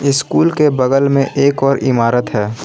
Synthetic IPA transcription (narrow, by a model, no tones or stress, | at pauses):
ɪskuːlkebəɡəlmẽʔeːkɔːɾɪmaːɾət̪ɦɛː